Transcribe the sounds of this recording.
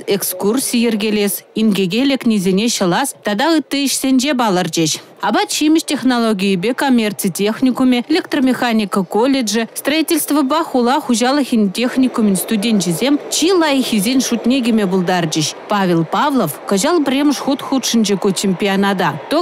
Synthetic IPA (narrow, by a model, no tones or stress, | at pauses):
ekskursʲijerɡʲelʲesʲinɡʲeɡʲelʲeknʲizʲenʲeɕə̆lˠɑst̪ɑd̪ɑɯt̪ːəiʃsʲenʲd͡ʒebɑlˠərd͡ʑeɕ | ɑbɑt̪t͡ɕijmʲɪʃtʲeχnolˠoɡʲijəbʲekomʲːert̪t͡sɨjtʲeχnʲikumʲelʲekt̪romʲexanʲikəkolʲedʐɨst̪raitʲelʲst̪vəbɑχulˠɑχuʑɑlˠəxʲinʲtʲexnʲikumʲɪ̆nʲst̪udʲenʲʃizʲemʲt͡ɕilˠɑjxʲizʲenʲʂut̪nʲeɡʲemʲebulˠd̪ɑrd͡ʑeɕpɑvʲelˠpɑvlˠofkə̆ʑɑlˠbʲrʲeməʂχut̪χut̪ʂə̆nd͡ʑekut͡ɕemʲpʲianɑd̪ɑt̪o